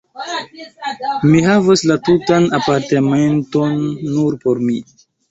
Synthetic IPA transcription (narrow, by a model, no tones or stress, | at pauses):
miɦavaslatutanapaɾtemento̞nːuɾpo̞ɾmi